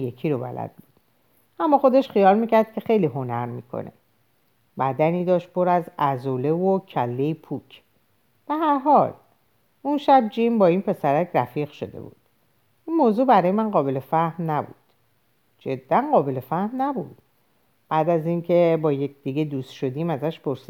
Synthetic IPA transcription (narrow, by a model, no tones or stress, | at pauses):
jekʰiɾobæ̰læ̰d̪̚bud̪̥ | ʔæmːɒːxo̞d̪e̞ʃχijɒːlmiːcʰæɾd̪̥̚kʰʲe̞xe̞jliːɦo̞næɾmiːkʰo̰nʔe̞̰ | bæd̪æniːd̪ɒːʃt̪̚pʰoɾæzæzole̞vocʰælːeipʰuːcʰ | b̥e̞ɦæɾɦɒːl | unʃæb̚d͡ʒimbɒːiːnpʰe̞sæɾæcʰɾæfiːɣʃo̞̰d̪ḛbṵːd̪̥ | ʔinmoːzuːbæɾɒːjemænɢɒːbe̞le̞fæhnnæbṵd̪̥ | d͡ʒe̞d̪̥ːænɢɒːbe̞le̞fæhmnæbṵd̪̥ | b̥æːd̪æziːncʰe̞bɒːjec̚ʰd̪̥iɡed̪uːst̪ʃo̞d̪iːmæzæʃpʰo̞ɾsi